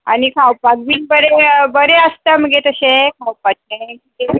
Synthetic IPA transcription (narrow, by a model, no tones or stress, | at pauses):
a̰ñikʰawpaɡʋinbəɾebəɾeəst̪əməɡet̪əɕẽkʰawpat͡ʃẽkie